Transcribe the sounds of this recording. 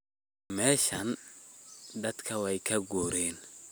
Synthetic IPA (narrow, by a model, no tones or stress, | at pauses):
mɛːʃɐn | d̪ɐd̪kʰɐwɛjkʰɐɡuːɾɛːn